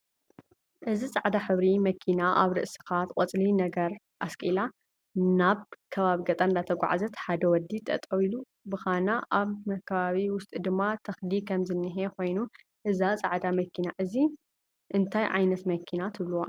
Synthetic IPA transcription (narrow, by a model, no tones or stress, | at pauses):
ʔɨzisʼaʕd̪aħɨβɾimɐkʰinaʔaβɾɨ̰ʔsi̥xat̪qʼɐt͡sʼlinɐɡɐɾ | ʔaskʼila | naβkʰɐβaβiɡɐt̪ʼand̪at̪ʰɐɡʷa̰ʕa̰zɐt̪ħad̪ɐwɔd̪it̪ʼɐ̰t̪ʼɐwilu | bɨxanaʔaβmɐkʰːɐβaβiwʊst̪ʼɨd̪ɨmːat̪ʰɐxd̪ikʰɐmzɨnːɨɦeko̞jnu | ʔɨzat͡sʼaʕd̪amɐkʰinaʔɨzi | ʔɨnt̪ʰajʕa̰jnɐt̪mɐkʰinat̪ʰɨβluwa